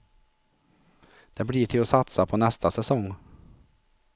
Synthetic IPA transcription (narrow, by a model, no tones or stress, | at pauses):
d̪̥ɛbliːʈʰɪlɔsɑt̪sapʰɔnɛst̪asɛsɔŋ